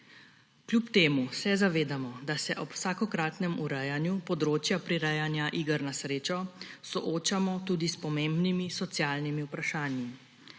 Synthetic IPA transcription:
klʲjupt̪eːmusɛzaʋeːd̪amɔd̪asɛʔɔpw̥saːkɔkɾaːt̪nɛmuɾɛjanjupɔd̪ɾoːt͡ʃjapɾiɾɛjanjaʔiːɡəɾnasɾeːt͡ʃɔsɔʔoːt͡ʃamɔt̪uːd̪ispɔmeːmbnimisɔt̪sjaːlnimiupɾaʃaːnji

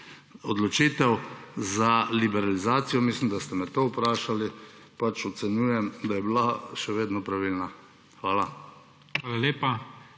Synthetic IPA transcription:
ɔd̪lɔt͡ʃiːt̪ɛwzalibɛɾalizaːt̪sijɔmislimd̪ast̪ɛmɛt̪oːupɾaːʃali | pat͡ʃɔt̪sɛnjuːjɛmd̪ajɛblaʃɛʋeːd̪nɔpɾaʋilna | xʋaːla | xaːlaleːpa

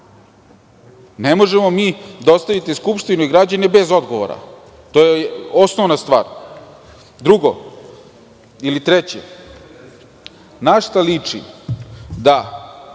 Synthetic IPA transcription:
nemo̞ʒemo̞miːd̪aost̪aʋit̪eskupʃt̪inoiɡɾad͡ʑanebe̞zo̞d̪ɡo̞ʋo̰ɾa̰ | t̪o̞jeo̞snoʋnast̪ʋa̰ːɾ | d̪ɾuɡo̰ | ilit̪ɾet͡ɕḛ | naʃt̪alit͡ʂḭ | d̪a

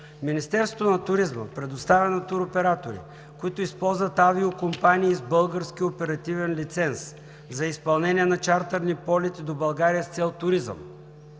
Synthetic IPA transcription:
minist̪ɛɾsot̪onɐt̪ʊɾizmə̰pɾɛd̪ʊst̪avʲənɐt̪uɾopɛɾat̪oɾḭ | kʊit̪ʊispɔlˠzvət̪aviokompaniːzbɤlˠɡəɾskiopɛɾɐt̪ivɛnlit̪sɛns | zɐispɐlˠnɛnʲiɛnɐt͡ʃaɾt̪əɾnipɔlʲɛt̪id̪obɐlˠɡaɾiəst̪sɛlˠt̪ʊɾizə̰m

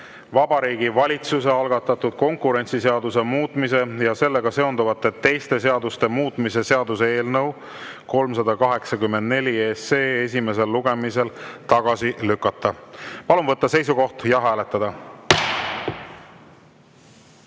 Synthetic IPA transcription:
vɑbɑɾiːɡ̥ivɑlʲit̪suse̞ɑlɡ̥ɑt̪ˑːɑt̪ːˑud̪̥ko̞ŋkuɾe̞nt̪sise̞ɑd̪use̞muːt̪ˑmise̞jɑse̞lːe̞ɡ̥ɑse̞o̞nd̪uvɑt̪ːˑe̞t̪ːe̞jst̪e̞s̬e̞ɑd̪ust̪e̞muːt̪ːˑmise̞se̞ɑd̪useeːlnɤw | ko̞lmsɑd̪ɑkɑɦe̞ksɑkymːe̞nd̪̥ne̞lʲieːseːes̬ʲime̞s̬e̞lːuɡ̥e̞mise̞lt̪ɑɡ̥ɑsilykːˑɑt̪ːɑpɑlumvɤt̪ːɑse̞js̬uko̞ht̪jɑɦæːle̞t̪ːˑɑd̪̥ɑ

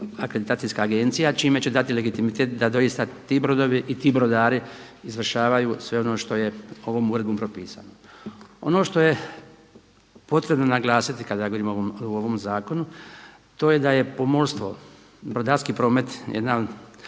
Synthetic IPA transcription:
akɾed̪it̪aːt̪ijskaːɡe̞nt̪sijat͡ʃiːme̞t͡ɕe̞d̪at̪ile̞ɡit̪imit̪eːt̪d̪ad̪o̞jist̪at̪iːbɾo̞d̪o̞ʋiʔit̪iːbɾo̞d̪aːɾi | izʋr̩ʃaːʋajuːsʋe̞o̞no̞ːʃt̪o̞je̞o̞ʋo̞muːɾe̞d̪bompɾo̞piːsa̰noo̞̰no̞ːʃt̪o̞je̞ | po̞t̪ɾe̞bno̞naɡlˠaːsit̪ikad̪ajaɡooɾiːmoʋomuoʋo̞mzaːko̞nu | t̪o̞ːje̞d̪aje̞po̞molʲst̪ʋo̞̰ | bɾod̪aːɾskiːpɾo̞ːme̞t̪jʔed̪na

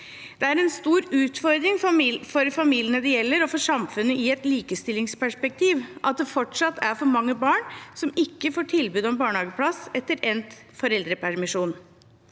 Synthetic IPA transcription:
d̪̥ɛæɾɛnst̪uːɾʉːt̪fɔɾd̪ɾɪŋffɔɾfɑmiːlɪənəd̪ɛjɛlːəɾɔfɔʂɑmfʉnːəʔɪɛt̪liːkəst̪ɪlɪŋspʰæʂpɛk̚t̪ʰiːʋʔɑt̪̚d̪ɛfɔʈʂɑt̪ːæɾfɔɾmɑŋːəbɑːɳsɔmɪkːəfoːʈʰɪlbʉːd̪ɔɛnbɑːɳhɑːɡəpʰlɑsɛt̪ːəɾɛnt̪ | fɔɾɛld̪ɾəpʰæɾmɪʂuːn

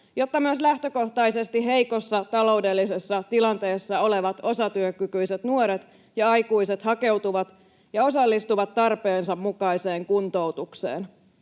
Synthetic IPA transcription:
jo̞t̪ːɑmyøslæht̪ø̞ko̞ht̪ɑise̞st̪iɦe̞jko̞sːɑt̪ɑlo̞ude̞lːisesːɑt̪ilɑnt̪e̞ːsːɑo̞le̞ʋɑt̪o̞sɑt̪yøkykyjset̪nuoɾet̪ | jɑɑjkuiset̪hɑke̞wt̪uʋɑt̪ | jɑo̞sɑlːist̪uʋɑt̪ːɑrpe̞ːnsɑmmukɑise̞ːŋkunt̪o̞ut̪uksḛːn

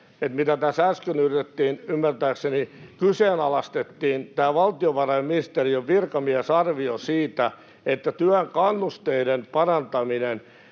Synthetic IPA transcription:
et̪mit̪æt̪æsæskynyrit̪et̪ːiːnymːært̪æːksenikyseːnɑlɑst̪et̪ːiːnt̪æːʋɑlt̪ioʋɑrɑimminist̪erioʋʋirkɑmiæsɑrʋiosiːt̪æ | et̪ːæt̪yæŋkɑnːust̪eidenpɑrɑnt̪ɑminen

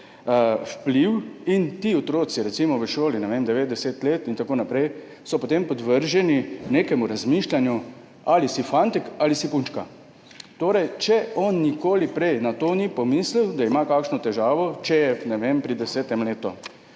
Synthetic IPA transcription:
wpliwint̪iot̪ɾoːsiɾɛt̪simɔʋəʃoːlinɛʋemd̪ɛʋeːt̪d̪ɛseːt̪leːt̪int̪akoːnapɾɛj | sɔpot̪empɔd̪ʋəɾʒɛnineːkɛmuɾazmiːʃlanju | alisifant̪ikalisipunt͡ʃka | t̪oːɾɛjt͡ʃɛʔɔːnːikoːlipɾɛjnat̪oːnipɔmisliwd̪aimakaːkʃnɔt̪ɛʒaːʋɔt͡ʃɛjɛnɛʋeːmpɾid̪ɛsɛːt̪ɛmleːt̪ɔ

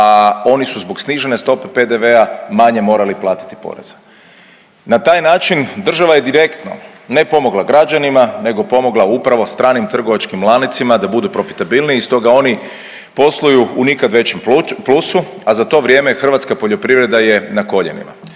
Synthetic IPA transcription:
ao̞nisuzbo̞ɡsniʒe̞ne̞st̪o̞pe̞pe̞d̪e̞ʋe̞amaɲe̞mo̞ːɾaliplˠaːt̪i̥t̪i̥po̰ɾe̞̰zḁ | nat̪aːjnaːt͡ʃind̪r̩ʒaʋaje̞d̪iɾe̞kt̪no̰ | ne̞po̞mo̞ɡlˠaɡɾad͡ʒanimane̞ɡo̞po̞mo̞ɡlˠaupɾaʋo̞st̪ɾaːnimt̪r̩ɡo̞ʋat͡ʃkimlˠaːnit̪simad̪abud̪upɾo̞fi̥t̪abilniːst̪o̞ɡao̞ni | po̞slˠujuunikad̪ʋe̞t͡ɕemplusu | azat̪o̞ʋɾje̞ːmexr̩ʋat̪skapo̞ʎo̞pɾiʋɾe̞d̪aje̞nako̞ʎḛnḭma̰

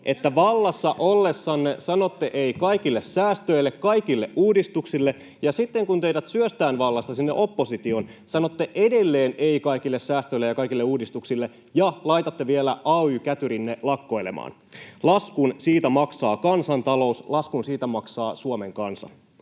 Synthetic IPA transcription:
ʔe̞t̪ːæʋɑlːɑsːɑʔolːe̞sːɑnːesɑno̞t̪ːeʔeikɑjkilːessæːst̪øjlːekkɑjkilːeʔʔuːdist̪uksilːe̞ | jɑsit̪ːe̞ŋkunt̪e̞idæt̪syøst̪æːnʋɑlːɑst̪ɑsinːeʔo̞pːo̞sit̪io̞nsɑnot̪ːeʔede̞lːeːneikɑikilːessæːst̪øilejɑkɑjkilːeuːdist̪uksilːe | jɑlɑjt̪ɑt̪ːeʋielæʔɑːyːkæt̪yɾinːelɑkːo̞jlḛmʔɑ̰ːn | lɑskunsiːt̪æmɑksɑːkɑnsɑnt̪ɑlo̞uslɑskunsiːt̪æmɑksɑːsuomeŋkɑnsɑ̰

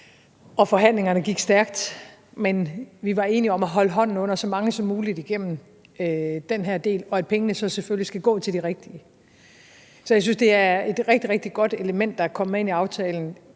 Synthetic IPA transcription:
ɒ̽fɒ̽ɦæn̰le̝ŋɐnəɡ̥iɡ̥sd̥æɐɡ̥̚d̥ | menʋiʋɑ̈e̝ːniɒ̽mæɦɒ̽ləɦɒ̽n̰n̩ɔ̽n̰ɐsɒ̽mɑ̈ŋəsɒ̽mːuːlid̥iɡ̥em̰m̩ | ød̥enɦeɐ̰d̥e̝̰ːlɒ̽æd̥̚pʰeŋənəsɒ̽sefølisɡ̥æɡ̥ɔ̰ːt͡sʰe̝ldiʁeɡ̥̚d̥iə | sɒjas̬ynsd̥e̝æɐe̝d̥ʁeɡ̥̚d̥iʁeɡ̥̚d̥iɡ̥ɒ̽d̥e̝ləmen̰d̥ːɑkʰɒ̽mmee̝niɑ̈ʊt͡sʰɛːln̩

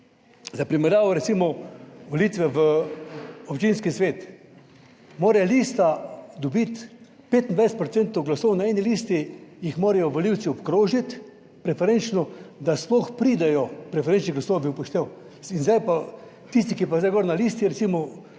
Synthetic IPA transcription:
zapɾimɛɾjaːʋɔɾɛt̪simɔʋɔliːt̪ʋɛʋə | ɔpt͡ʃinskisʋeːt̪ | moːɾɛjliːst̪ad̪ɔbit̪ | peːt̪ind̪ʋajsɛt̪pɾot̪sɛnt̪ɔwɡlasɔwnaɛnilist̪ijixmoːɾɛjɔʋɔliwt̪siɔpkɾoːʒit̪ | pɾɛfɛɾent͡ʃnɔd̪asplɔxpɾiːd̪ɛjɔpɾɛfɛɾent͡ʃniɣɡlasowbipɔʃt̪ew | inzd̪ajpa | t̪is̬t̪ikipazdajɡɔɾnaliːst̪iɾɛt̪siːmɔ

